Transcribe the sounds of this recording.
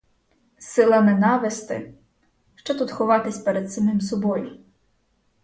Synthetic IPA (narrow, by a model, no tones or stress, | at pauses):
sɪlˠɐnɛnɑʋɪst̪ɪ̰ | ʃt͡ʃɔt̪ut̪xɔʋɑt̪ɪsʲpeɾed̪sɐmɪms̬ɔbɔjʊ